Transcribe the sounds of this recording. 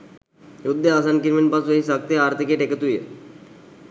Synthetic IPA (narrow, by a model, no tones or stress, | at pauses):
jud̪ʱːeas̬ankiɾminpasʋeɦisək̚t̪eaɾt̪ʰikeʈeket̪ujḛ